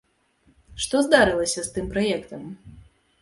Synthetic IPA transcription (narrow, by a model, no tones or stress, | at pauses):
ʂt̪ɔzd̪aɾɨlˠɐsʲɐst̪ɨmpɾajɛkt̪ɐm